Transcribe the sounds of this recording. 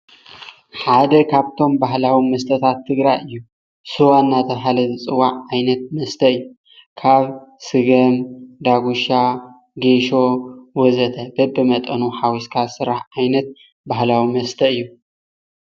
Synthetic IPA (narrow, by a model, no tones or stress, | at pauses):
ħad̪ɐkʰaβt̪ʰo̞mbahlawimɐst̪ʰɐt̪ʰat̪ʰːɨɡɾajʔɨjːu | sɨwanːat̪ʰɐβɦalɐzɨt͡sʼɨwːaʕajnɐt̪̚mɐst̪ʰɐɨjːu | kʰaβsɨɡɐmd̪aɡuʃa | ɡeʃo̞wɔzɐt̪ʰɐbɐbɨmɐt̪ʼɐnuħawiskʰasɨɾaħʕajnɐt̪̚ | baɦlawimɐst̪ʰɐɨjːu